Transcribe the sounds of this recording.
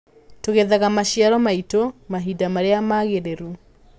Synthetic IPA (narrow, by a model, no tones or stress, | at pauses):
toɣeðaɣamaʃiaɾɔmaitomaɦidamaɾeamaɣeɾeɾu